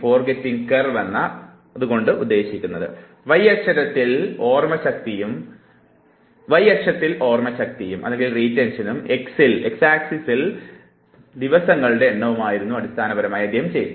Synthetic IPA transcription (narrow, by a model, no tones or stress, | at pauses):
fo̞ːrɡetːiŋkɐrʋɐnːɐː | ðuɣo̞ɳɖɨʔud̪ːe̞ːɕikʲːunːɐðɨ̰ | ʋɐjɐkʂɐɾɐt̪ːilo̞ːrmɐɕɐk̚t̪ijum | ʋɐjɐkʂɐt̪ːilo̞ːrmɐɕɐk̚t̪ijumʔɐ̰ðe̞ŋɡilriːtːenɕɐnumeksileksaːksisil | d̪iʋɐsɐŋːɐɭɨɽe̞ːnːɐʋumaːjiɾunːuɐɽist̪ʰaːnɐbɐɾɐmaːjɐd̪jɐɦɐmt͡ɕej